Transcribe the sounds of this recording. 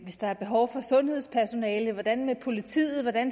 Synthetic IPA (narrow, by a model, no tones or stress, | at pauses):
ʋe̝sd̥ɑ̈æɐb̥e̝ɦɒʊfɒ̽sɔ̽nhe̝ð̞̰ˠspʰæɐso̝nɛːləʋɒd̥ænmepʰo̝lit͡sʰḭːð̩ˠʋɒd̥æn